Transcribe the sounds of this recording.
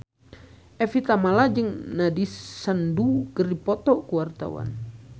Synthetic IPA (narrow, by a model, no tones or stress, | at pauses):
ʔɛfit̪amalad͡ʒɨŋnadisənduɡəripɔt̪ɔkuwart̪a̰wa̰n